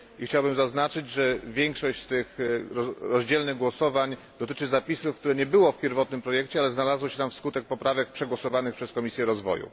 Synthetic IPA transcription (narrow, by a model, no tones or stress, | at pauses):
ixt͡ɕawbɘmzaznat͡ʂɘd͡ʑʐɛvʲjɛŋkʂɔɕt͡ɕst̪ɘx | ɾɔʑd͡ʑɛlnɘɣɡwɔsɔvaɲ | d̪ɔt̪ɘt͡ʂɘzapʲisufkt̪uɾɛɲɛbɘwɔfpʲjɛɾvɔt̪̚nɘmpɾɔjɛkt͡ɕɛalɛznalazwɔɕɛt̪amfskut̪ɛk̚pɔpɾavɛk̚pʂɛɡwɔsɔvanɘxpʂɛskɔmʲisʲjɛɾɔzvɔ̰jṵ